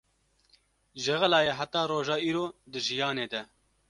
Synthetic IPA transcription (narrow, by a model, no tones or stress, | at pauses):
ʒɛɣɛlɑːjeɦæt̪ɑːɾoːʒɑːiːɾoːd̪ɨʒijɑːneːd̪ɛ